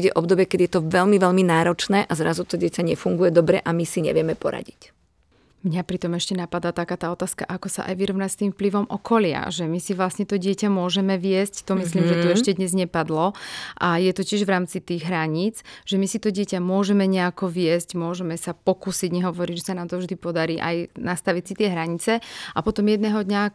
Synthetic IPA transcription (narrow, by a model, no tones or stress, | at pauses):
ɟɛʔɔbd̪ɔbjɛkɛdjɛt̪ɔʋɛlmiʋɛlminaːɾɔt͡ʃnɛːʔazɾazut̪ɔɟɪɛcaɲɛfuŋɡujɛd̪ɔbɾɛ̰ʔamisiɲɛ̰ʋɪɛmɛpɔ̰ɾa̰ɟic | mɲapɾit̪ɔmɛʃcɛnapad̪aːt̪akaːt̪aːɔt̪aːska̰ʔakɔsa̰ʔa̰jʋiɾɔʋnacst̪iːmfpliʋɔmʔɔkɔlɪa̰ʒɛmisiʋlasɲɛt̪ɔɟɪɛcamʊɔʒɛmɛʋɪɛsct̪ɔmisliːmʒɛt̪ɔɛʃcɛd̪ɲɛzɲɛpad̪lɔʔajɛt̪ɔcɪɛʒʋɾaːmt͡sit̪iːɣɦɾaɲit͡sʒ̥ɛmisit̪ɔɟɪɛcamʊɔʒɛmɛɲɛakɔʋɪɛscmʊɔʒɛmɛsapɔkuːsiɟɲɛɦɔʋɔɾiɟʒɛsanaːmt̪ɔvʒd̪ipɔd̪aɾiːʔa̰jnast̪aʋicsit̪ɪɛɦɾaɲit͡sɛʔapɔt̪ɔmjɛd̪nɛːɦɔd̪ɲa